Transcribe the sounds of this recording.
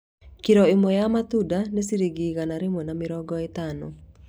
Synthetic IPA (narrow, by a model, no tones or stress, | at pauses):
kiɾɔɪmɔjamat̪udanesiɾiɡiɣanaɾɪmonamɪɾɔɡɔet̪anɔ̰